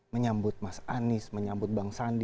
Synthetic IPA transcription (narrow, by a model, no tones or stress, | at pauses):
məɲambʊt̪̚masanɪsməɲambʊt̪̚baŋsand